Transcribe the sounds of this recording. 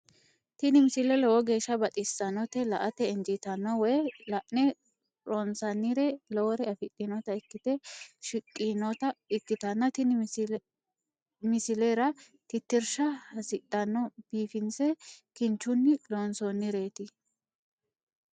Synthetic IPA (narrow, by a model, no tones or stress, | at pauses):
t̪ɪnɪmɪsɪlɛlɛwɔɡe̞ːʃːɐbɐt̪ʼɪsːɐnːɔt̪ɛlɐʔɐt̪ɛːnd͡ʒɪt̪ɐnːɔwɛjlɐʔnɛ | ɾonsɐnːɪɾɛlɔwɔɾɛɐfɪtʼːɪnɔt̪ɐɪkːɪt̪ɛʃɪkʼːinɔt̪ɐɪkːɪt̪ɐnːɐt̪ɪnɪ | mɪsɪleɾɐ | t̪ɪt̪ːɪɾʃɐhɐsɪtʼːɐnːɔb̥iːfɪnsɛkɪnt͡ʃːʊnːɪloːnsonːɪɾe̞ːt̪ɪ